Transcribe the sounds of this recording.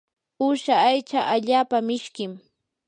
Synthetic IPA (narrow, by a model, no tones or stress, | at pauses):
ʊʃaːjt͡ʃaʔaʎaːpamɪʃkɪm